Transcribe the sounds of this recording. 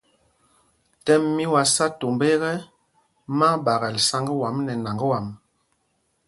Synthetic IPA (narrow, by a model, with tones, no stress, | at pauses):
tɛ˦mːi˦wa˨sa˦to˨mbe˦ɣɛ˦ | ma˦ba˨ɣa˨lsa˦ŋɡə˦wa˨˦mnɛ˨na˨ŋɡə˦wa˨m